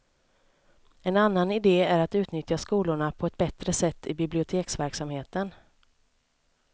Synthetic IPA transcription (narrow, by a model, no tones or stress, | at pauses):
ɛnanːanɪd̪eːæɾat̪ʉ̟ːt̪nʏt̪jaskuːlʊɳapʰɔɛt̪̚bɛt̪ɾəsɛt̪ʰːɪb̪ɪblɪʊt̪ʰeːksvæɾksamheːt̪ən